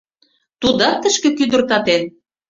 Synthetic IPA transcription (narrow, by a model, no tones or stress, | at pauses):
t̪ud̪ɑt̪ə̆ʃkĕkyd̪ə̆rt̪ɑt̪en